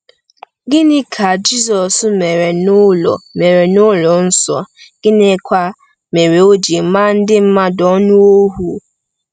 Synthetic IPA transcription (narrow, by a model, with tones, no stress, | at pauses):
ɡɪ˦nɪ˦kʰa˨d͡ʒi˦sɔ˨sme˨ɾe˨nʊ˦lɔ̰˨me˨ɾe˨nʊ˦lɔ˨n̩˦sɔ̰˨ɡ̥ɪ˦ne˦kʷa˦ | me˨ɾe˨o˦d͡ʒe˨˦ma˦n̩˦dɪ˦m̩˦ma˦dɔ˦nu˦o˦ɦu˨